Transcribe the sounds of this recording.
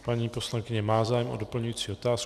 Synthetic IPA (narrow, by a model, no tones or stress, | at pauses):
paɲiːpo̞slaŋkɪɲɛmaːzaːjɛmo̰do̞pl̩ɲujiːt͡siːot̪aːs